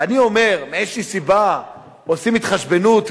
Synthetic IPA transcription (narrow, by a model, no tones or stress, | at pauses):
anio̞me̞ʁmeeʃisiba | osimit̪χaʃbe̞nut̪